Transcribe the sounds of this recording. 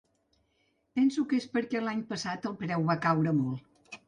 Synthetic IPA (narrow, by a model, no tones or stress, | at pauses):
pɛnsukespəɾkɛlaɲpəsat̪əlˠpɾɛwβakawɾəmɔlˠ